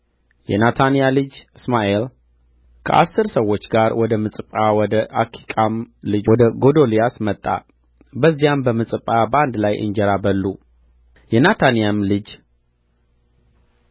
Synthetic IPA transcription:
jɛ̰nat̪ʰanijalɨd͡ʒɨsmaʔel | kʰə̰ʔa̰sːɨɾsəwːo̞t͡ʃːɡaɾwɔd̪əmɨsʼɨpʼawɔd̪əʔakʰi̥kʼamlɨd͡ʒwɔd̪əɡo̞d̪o̞lijasmət̪ʼːa̰ | bəzːijambəmɨsʼɨpʼːabəand̪lajʔɨ̰ɲd͡ʒɛɾabəlːu | jɛnat̪ʰanijamlɨd͡ʒ

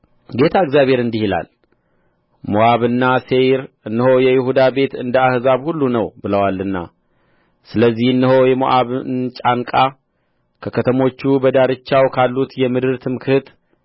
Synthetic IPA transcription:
ɡe̞t̪ʰaɨɡzjaβhe̞ɾɨnd̪ihila̰l | moʔaβɨnːaseɾ | ɨnːɨho̞jɛjɪhud̪abe̞t̪ɨnd̪əahzaβhulːunəwbɨləwalɨnːa̰ | sɨləzːihɨnːɨɦo̞jɛmo̰ʔaβnt͡ʃʼaŋkʼa | kʰəkʰət̪ʰəmo̞t͡ʃːubəd̪aɾɨt͡ʃːawkʰalːut̪jɛmɨd̪ɨɾt̪ʰɨmkʰɨt̪

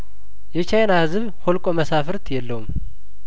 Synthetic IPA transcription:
jɛt͡ʃʰajnaɨzɨβ | holkʼo̞məsafɨɾt̪ʰjɛlːəwum

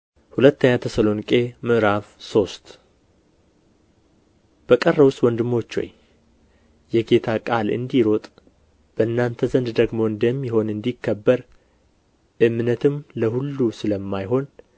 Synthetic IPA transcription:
hulət̪ːəɲːat̪ʰəsəlo̞nikʼe̞mɨʔɾafso̞st̪ | b̥əkʼərːəwʊst̪ʼwɔnd̪ɨmːo̞t͡ʃːo̞̰ɲ | jɛɡe̞t̪ʰakʼalɨ̰nd̪iɾo̞t̪ʼ | b̥əʔɨnːant̪ʰəzənd̪d̪əɡmo̞ɨnd̪əmːɪho̞nɨnd̪ikʰːəbːəɾ | ʔɨmːnət̪ʰɨmləhulːusɨləmːajɦo̞n

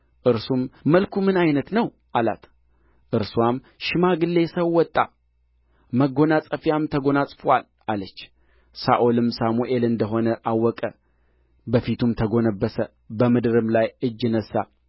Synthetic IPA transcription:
ʔɨɾsumːəlkʰumɨnajnət̪nəw | ʔala̰t̪ | ʔɨɾswam | ʃɨmaɡɨlːe̞səwwːɔt̪ʼːa̰ | məɡo̞nasʼəfjamt̪ʰəɡo̞nasʼfwal | alət͡ʃː | saʔolɨmsamuʔelɨnd̪əɦo̞nəʔawːɔkʼə | bəfit̪ʰumt̪ʰəɡo̞nəbːəsə | bəmɨd̪ɨɾɨmlajɨd͡ʒːɪnəsːa̰

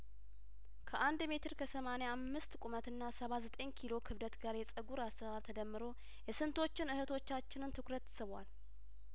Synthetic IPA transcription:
kʰəʔand̪me̞t̪ʰɨɾkʰəsəmaneamːɨst̪kʷʼumət̪ɨnːasəβazət̪ʼe̞ɲkʰilo̞kʰɨβd̪ət̪ɡaɾjɛsʼəɡuɾasəβalt̪ʰəd̪əmːɨɾo̞ | jɛsɨnt̪ʰo̞t͡ʃːɪnɨhət̪ʰo̞t͡ʃːat͡ʃːɪnɨnt̪ʰɨkɾət̪ːsɨβwa̰l

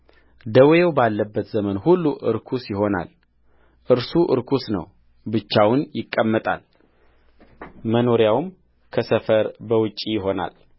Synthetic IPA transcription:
d̪əwjewbalːəbːət̪zəmənhulːuʔɨ̰ɾkʰusjɪɦo̞na̰l | ʔɨɾsuʔɨ̰ɾkʰusnə̰w | bɨt͡ʃːawʊnjɪkʼːəmːət̪ʼa̰l | məno̞ɾjawm | kʰəsəfəɾbəwʊt͡ʃʼːijɪɦo̞na̰l

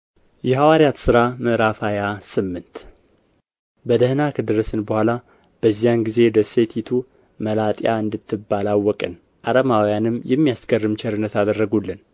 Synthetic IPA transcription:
jɛhawaɾijat̪sɨɾaməʔɾafajasɨmːɨnt̪ | bəd̪əhnakʰəd̪ɨɾəsɨnbəhʷala | b̥əzːijanɡize̞d̪əse̞t̪ʰit̪ʰu | məlat̪ʼja̰ɨnd̪ɨt̪ːɨbːalawːɔkʼɨn | ʔaɾəmawjanɨmːjɛmːijasɡərːɨmt͡ʃʰɛɾɨnːət̪ad̪ərːəɡulːɨn

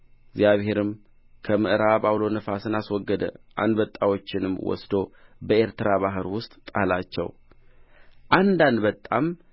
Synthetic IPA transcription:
ɪɡzijaβhe̞ɾɨm | kʰəmɨʔɾabawlo̞nəfasɨnaswɔɡːəd̪ə̰ʔa̰nd̪bət̪ʼːawo̞t͡ʃːɪnɨmːwɔ̰sd̪o̞bəe̞ɾt̪ɨɾaβaɦɨɾwʊst̪ʼt̪ʼalat͡ʃːɛ̰w | ʔand̪and̪bət̪ʼːam

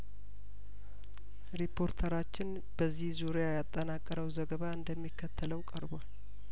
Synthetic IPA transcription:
ɾipʰːo̞ɾt̪ʰəɾat͡ʃːɪn | b̥əzːihzuɾjajat̪ʼːənakʼːəɾəwzəɡəβaɨnd̪əmːikʰːət̪ʰːələwkʼəɾbal

